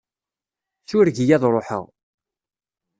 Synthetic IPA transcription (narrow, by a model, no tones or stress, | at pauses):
θʊɾʝijæðɾˤoħə̰ʁ